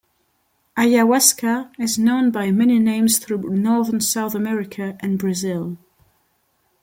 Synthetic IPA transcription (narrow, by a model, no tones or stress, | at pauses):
ʔajawɛskəɪznõʊ̃nbaɪmɛninẽɪ̃mz̥θɹʉːnɔɹðənsaʊθəmɛɹɪkʰəʔə̃nbɹɨzɪlˠ